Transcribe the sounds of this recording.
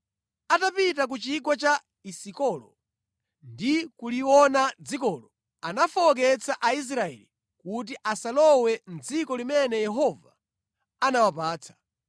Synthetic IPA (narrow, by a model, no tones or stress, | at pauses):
atapit̬ak̬ut͡ʃik̬wɔt͡ʃa | isikɔlɔ | ndikuliwɔnad͡zikɔːlɔ | anafɔɔk̬ɛt͡sʰaʔais̬ɾaɛ̰li | kut̬iʔasalɔwɛn̩d͡zikɔlimɛnɛjɛɦɔva | anawapaːt͡sʰḁ